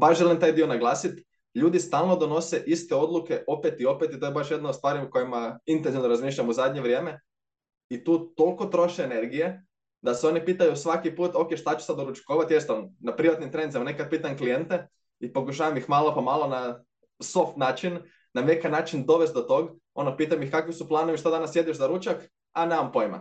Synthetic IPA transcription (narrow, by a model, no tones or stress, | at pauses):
baʃʒelimt̪aːjd̪ionaɡlˠaːsit̪ | ʎuːd̪ist̪aːlˠno̞d̪o̞no̞seʔist̪eo̞d̪lˠuke̞ʔo̞pet̪io̞pet̪it̪ojebaʃjed̪naost̪ʋaːɾiuko̞jimaint̪enziʋnoɾazmiːʃ̬ʎamuzad̪ɲeʋɾʲje̞ːme̞ | it̪uːt̪o̞lˠko̞t̪ɾo̞ʃeːne̞ɾɡije | d̪aseo̞nipiːt̪ajusʋakipuːt̪o̞ke̞ʃt̪at͡ɕu̥sad̪oɾut͡ʃi̥koːʋat̪jest̪onnapɾiʋat̪nimt̪ɾenzamanekad̪̚pit̪aɲklije̞nt̪e | ipo̞kuʃ̬aːʋamixmaːlˠopamaːlo̞na | so̞ft̪naːt͡ʃin | nanekanaːt͡ʃind̪o̞ʋest̪d̪ot̪o̞ɡ | o̞nopiːt̪amjixkakʋisuplˠaːno̞ʋiʃt̪ad̪anasje̞d̪iʃzaɾut͡ʃak | anemampo̞jma̰